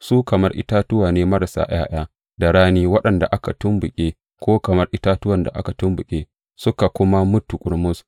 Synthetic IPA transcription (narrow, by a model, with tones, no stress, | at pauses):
suː˦kɐ˨mɐ˦rʔɪ̰˦taː˦tʊ˦waː˨neː˦mɐ˦ɾa˨sa̰ː˦j̰a̰ː˦j̰aː˦ | da˨ɽaː˦niː˦wɐ˦ɗɐ˨nda̰˨ʔa˦ka˨tʊ˦mbʊ˨kʲʼeː˦ | kʷoː˦kɐ˨mɐ˦rʔɪ˦taː˦tʊ˦wɐ˨nda˨ʔa̰˦ka˨tʊ˦mbʊ˨kʲʼeː˦ | sʊ˦ka˨kʷʊ˦ma˦mʊ˦tːu˨kʷʼʊ˦ɽmʊ˦s